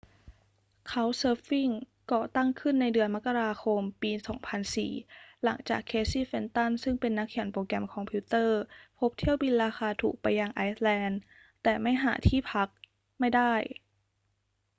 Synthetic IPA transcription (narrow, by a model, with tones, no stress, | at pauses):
kʰa˦˥wsɤː˦˥p̚fi˥˩ŋ | kɔː˧˨˩t̪a˥˩ŋkʰɯ˥˩nːa˧jdɯ˧ənma˦˥kːa˧ɾaː˧xʰo˧mpiː˧sɔ̰ː˩˦ŋpʰa˧nsḭː˨˩la̰˩˦ŋt͡ɕa̰ː˨˩kʰːeː˧˥siː˥˩fe˧nt̪a˥˩nsɯ˥˩ŋpe˧nːa˦˥kʰːi˨˩˦npoː˧kɛ˧mkʰɔː˧mpʰi˦˥t̪ɤː˥˩pʰo˦˥p̚t̪ʰi˥˩əwbi˧nɾaː˧xaː˧t̪ʰṵː˨˩k̚pa˧jːaː˧ŋʔa˧˥jslɛː˧n | t̪ɛː˨˩ma˥˩jɦa̰ː˩˦t̪ʰiː˥˩pʰa˦˥k̚ | ma˥˩jda˥˩j